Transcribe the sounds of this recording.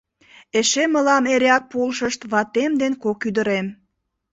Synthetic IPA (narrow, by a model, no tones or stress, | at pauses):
eʃeməlɑmeɾʲɑk̚polʃəʃt̪βɑt̪emd̪enkokyd̪əɾem